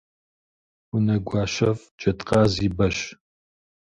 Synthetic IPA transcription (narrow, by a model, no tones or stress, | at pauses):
unɐɡʷɑːʃɐf | d͡ʒɐtʼqɑːziːbɐʃ